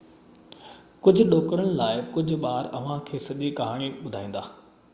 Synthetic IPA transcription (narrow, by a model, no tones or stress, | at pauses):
kʊd͡ʑʱʊ̆ɗoːkəɽəɽ̃ɪ̆laːɪkʊd͡ʑʱʊ̆ɓaːɾɐ̰ʋ̤ãkʰeːsɐʄikɐɦaːɽ̃iɓʊd̪ʱaːĩːn̆d̪aː